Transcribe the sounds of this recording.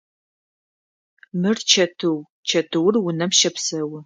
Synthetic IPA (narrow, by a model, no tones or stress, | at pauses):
mɨrt͡ʃʰɐtʰɨw | t͡ʃʰɐtʰɨwrwʊnɐmʃɐpsɐwʊ